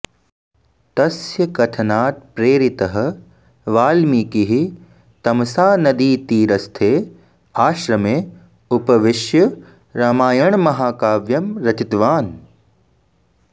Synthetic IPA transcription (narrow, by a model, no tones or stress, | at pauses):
t̪ɐsjɐkɐt̪ʰɐnaːt̪̚pɾeːɾit̪ɐɦɐ̆ | ʋaːlmiːkiɦi | t̪ɐmsaːnɐd̪iːt̪iːɾɐst̪ʰeː | aːʃɾɐmeː | upɐʋɪʃjɐ | ɾaːmaːjɐɳmɐɦaːkaːʋjɐmɾɐt͡ʃit̪ʋaːn